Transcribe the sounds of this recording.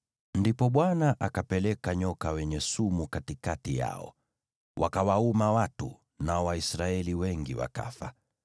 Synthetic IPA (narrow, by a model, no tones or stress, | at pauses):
ndipɔɓwanaʔakapɛlɛkaɲɔkawɛɲɛsumukatikatija̰ɔ̰ | wʔa̰kawaumawatṵ | naɔwaisɾaɛliwɛŋɡiwa̰ka̰fa̰